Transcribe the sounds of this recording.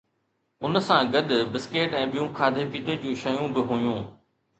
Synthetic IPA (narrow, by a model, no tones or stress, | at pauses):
ʊnsãɡɐɗ̪ʊ̆bɪskeːʈɛ̃ːɓijũkʰaːd̪ʱepiːt̪ed͡ʑũːʃɐjũbɪɦujũː